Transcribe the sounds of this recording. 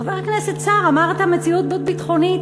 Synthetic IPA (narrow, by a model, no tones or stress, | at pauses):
aveʁkneset̚t͡saʁamaʁt̪amet͡siut̪̚bot̚bit̪χo̞nit